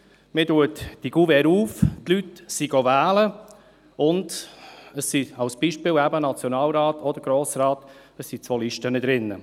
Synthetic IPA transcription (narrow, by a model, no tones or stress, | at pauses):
mɪduətd̥iɡ̥uvɛɾuːftlytsiɡ̥ovæːlə | ʊndəssiɑwsb̥iʃpɪːlwæbənat͡sjonɑːlɾɑːtɔd̥əɾɡ̥ɾoːsraːt | əsːit͡svoːlɪʃtənəd̪ɾɪnːə